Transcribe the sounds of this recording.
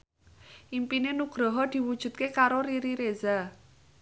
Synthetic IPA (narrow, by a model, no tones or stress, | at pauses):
ʔimpinenuɡ̥ɾɔɦɔd̪̥i̤wud̥ʒ̥ṳt̪̚kekaɾoɾiɾiɾeza